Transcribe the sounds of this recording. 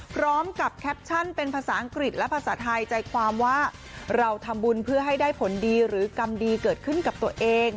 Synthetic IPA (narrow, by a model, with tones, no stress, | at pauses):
pʰɾɔː˦˥mka˨˩p̚kʰɛ˦˥p̚t͡ɕʰa˥˩npe˧npʰaː˧saː˩˦ʔa˧ŋkɾi˨˩t̪̚lɛ˦˥pʰaː˧saː˩˦˥t̪ʰa˧jt͡ɕa˧jkʰwaː˧mwaː˥˩ | ɾa˧wt̪ʰa˧mbu˧npʰɯ˥˩ɐɦa˥˩jdaː˥˩jpʰo˩˦ndiː˧ɾɯː˩˦ka˧mdiː˧kɤː˨˩t̪̚kʰɯ˥˩nka˨˩p̚t̪u˧əʔeː˧ŋ